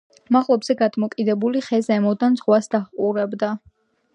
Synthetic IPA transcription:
maʁlˠɔbz̥ɛɡad̪mɔkʼid̪ɛbuliχɛzɛmɔd̪anzʁwasd̪aχqʼuɾɛbd̪a

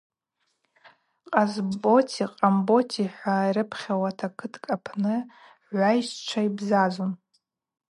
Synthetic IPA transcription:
qʼazbo̞tʰiqʼambo̞tʰiħʷajɾɨpʰχʲawatʰakʰɨtʰkʼapʰnɨ | ʕʷajʃt͡ʃʷʰaibzazon

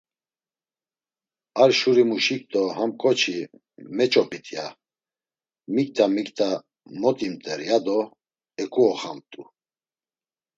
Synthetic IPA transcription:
aɾʃuɾimuʃik̚t̪ʼɔhamkʼɔt͡ʃʰi | mɛt͡ʃʼɔpʼit̪ʰʼija | mik̚ʼt̪ʰamikt̪ʰa | mɔt̪ʼimt̪ʼɛɾjad̪ɔ | ɛkʼuɔχamt̪ʼu

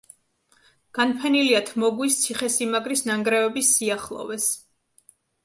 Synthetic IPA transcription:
ɡ̥anpʰɛniliat̪ʰmɔɡwist̪sʰiχɛsimaɡɾisnaŋɡɾɛɔbisːiaχlˠɔ̰vɛs

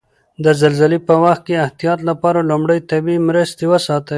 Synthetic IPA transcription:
d̪əzalzalepəwaxt̪̚keaht̪ijɑt̪lapɑɾalʊmɽəjt̪abimɾəst̪ewəsɑt̪ə

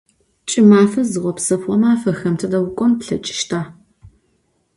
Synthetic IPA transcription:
t͡ʃʼɪmaːfɐzɨʁʷɔpsɐpʷɔmaːfɐxɐmtʰɐdɐwʊkʷʼɔmpɬɐt͡ʃʼɪ̥ʃtʰaː

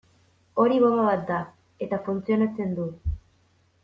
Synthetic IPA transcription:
o̞ɾiβoβaβat̪̚d̪a | e̞t̪afunt͡sio̞nat͡se̞nd̪u

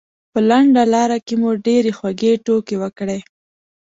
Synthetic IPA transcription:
pəlaɳɖalɑɾakemuɖeɾexwaɡeʈokewəkɽe

